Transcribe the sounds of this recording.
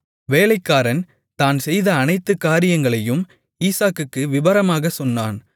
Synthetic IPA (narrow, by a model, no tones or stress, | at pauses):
ʋeːlɐɪkːaːɾɐn | t̪aːnsɛjðɐːnɐɪt̪ːɯkːaːɾɪjɐŋɡɐɭɐjɯm | iːsaːkɯkːɯʋɪʋɐɾɐmaːɣɐsɔnːa̰ːn